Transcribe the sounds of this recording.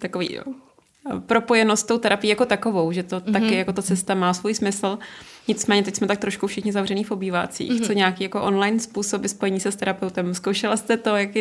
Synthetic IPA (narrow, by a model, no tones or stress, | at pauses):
t̪akovḭːo̰ | pɾo̞po̞jɛnost̪t̪owt̪ɛɾapɪjiːjako̞t̪ako̞vo̞wʒɛt̪o̞t̪akɪjako̞t̪at͡sɛst̪amaːsvuːjsmɪsl̩ɲɪt͡smɛːɲɛt̪ɛcsmɛt̪akt̪ɾo̞ʃkufʃɪxɲɪzavrɛniːfo̞biːva̰t͡sḭːxt͡so̞ɲɛakiːjako̞ʔo̞nlajnspuːso̞bɪspo̞jɛɲiːsɛst̪ɛɾapɛwt̪ɛmskowʃɛlast̪ɛt̪o̞jakɪ